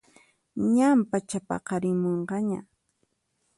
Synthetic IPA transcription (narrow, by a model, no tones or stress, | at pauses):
ɲampat͡ʃapɑ̰qɑɾɪmoɴqɑɲa